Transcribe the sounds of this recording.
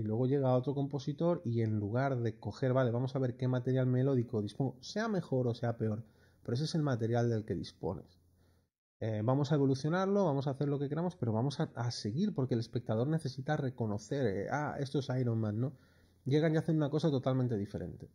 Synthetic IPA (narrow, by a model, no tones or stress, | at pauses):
ilwe̞ɣ̞o̞ʝe̞ɣ̞aːo̞t̪ɾo̞ko̞mpo̞sit̪o̞ɾie̞nluɣ̞aɾðe̞ko̞xe̞ɾβale̞βamo̞saβe̞ɾke̞mat̪e̞ɾjalme̞lo̞ðiko̞ðisponose̞ame̞xo̞ɾo̞se̞ape̞o̞ɾ | peɾoe̞s̬oese̞lmat̪e̞ɾjald̪e̞lke̞ðḭspo̞̰ne̞̰s | ebamo̞sae̞βo̞luθjo̞naɾlo̞βamo̞saːθe̞ɾlo̞kekeɾamo̞spe̞ɾo̞βamo̞saase̞ɣiɾpo̞ɾke̞le̞spe̞k̚t̪aðo̞ɾne̞θe̞sit̪are̞ko̞no̞θe̞ɾḛa̰e̞̰st̪oesajɾonmãnːo̞ | ɟ͡ʝeɣ̞anʝaθenunako̞sat̪o̞t̪almẽnt̪e̞ðife̞ɾe̞̰nt̪e̞